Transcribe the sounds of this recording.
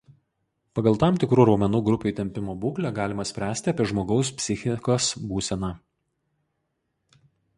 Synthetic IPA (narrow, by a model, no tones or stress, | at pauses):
pɐɡɐlˠt̪ɑˑmt̪ʲɪkɾuːɾɐʊmʲɛnuːɡɾʊpʲuːt̪ʲɛmʲpʲɪmoːbuːklʲɛɡɑːlʲɪmɐsʲpʲɾʲæːsʲt̪ʲɪɐpʲiɛʒmoːɡɒʊspʲsʲɪxʲɪkoːsbuːsʲɛnɑː